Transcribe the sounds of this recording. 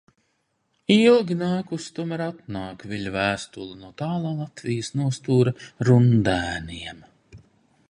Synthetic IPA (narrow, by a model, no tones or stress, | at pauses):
ilˠɡʲinaːkust̪umɛɾat̪̚nɑːkvʲiʎʲvæːst̪ulˠunuɔt̪aːlˠaːlˠat̪vʲijəsnuɔst̪uːɾɐɾund̪æːniɛm